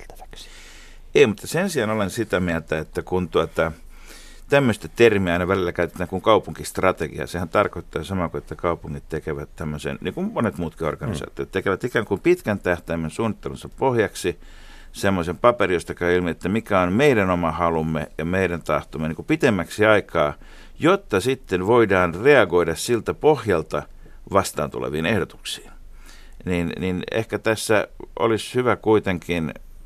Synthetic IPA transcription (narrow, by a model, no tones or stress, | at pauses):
t̪æ̥ʋæ̥ks | eimut̪ːɑsensiɑnolensit̪æmiælt̪æet̪ːækunt̪uɑt̪ɑ | t̪æmːøst̪æt̪ermiæɑinɑʋælilːˑækæyt̪ĕ̥t̪æːŋkuŋkɑupuŋkist̪rɑt̪eɡḭɑ̰sehænt̪ɑrkoit̪ːɑːsɑmɑkuet̪ːækɑupuŋːit̪t̪ekeʋæt̪t̪æmːøsḛnniːŋkummonet̪muːt̪kio̰rkɑnisɑ̰ːt̪io̰t̪t̪ekeʋæt̪ikæːŋkumpit̪kænt̪æht̪æimːensuːnːit̪ːelunsɑppohjɑksi | semːosempɑperijost̪ɑkɑilmiet̪ːæmikæonmeiɾænomɑhɑlumːḛjɑmeiɾænt̪ɑ̰ht̪omːeniŋkupit̪emːæksiɑikɑː | jot̪ːɑsit̪ːenʋoidɑːnreɑɡoidɑssilt̪æpohjɑlt̪ɑ | ʋɑst̪ɑ̰ːnt̪ṵlḛʋiːnehdot̪u̥ksi̥ːn | ninninḛhkæt̪æsːæʔo̰lishyʋækuit̪eŋkin